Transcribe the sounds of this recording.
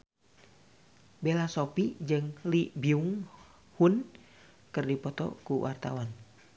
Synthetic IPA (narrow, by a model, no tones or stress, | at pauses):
belasopid͡ʒɨŋlibiuŋ | hun | kɨrdipɔt̪ɔ̰kuwʔa̰rt̪awan